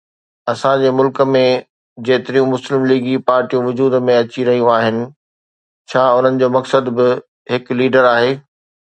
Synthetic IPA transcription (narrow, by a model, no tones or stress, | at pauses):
ɐsãd͡ʑeːmʊlkə̆mẽ | d͡ʑeːt̪ɪɾijũmʊslɪmliːɡipaːɾʈijũʋʊd͡ʑuːd̪mẽɐt͡ɕiɾɐɦijũaːɦɪnɪ̆ | t͡ɕʰaːʊn̤ənɪ̆d͡ʑoːmɐksəd̪bɪ | ɦɪkliːɖəɾaːɦeː